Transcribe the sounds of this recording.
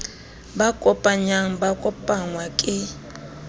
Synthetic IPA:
bakʼɔpʼaɲaŋ̩bakʼɔpʼaŋwakʼɪ

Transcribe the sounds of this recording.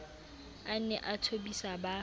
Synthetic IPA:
an̩nɛʔatʰobisaba

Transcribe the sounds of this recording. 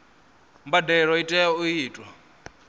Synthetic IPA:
mbadɛɺɔitʼɛuiːtʼwa

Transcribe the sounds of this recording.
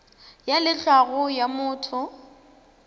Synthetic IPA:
jalɪɬaɣʊjamʊːtʰʊ

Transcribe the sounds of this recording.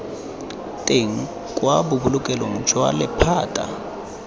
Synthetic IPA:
tʼeŋ̩ | kʼwabʊbulʊkʼɛloŋ̩t͡ʃʰʼwa̰lɪpʰaːtʼa̰

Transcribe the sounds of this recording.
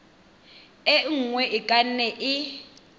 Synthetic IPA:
ɛŋ̩ŋwɛʔɪkʼanɛʔɪ

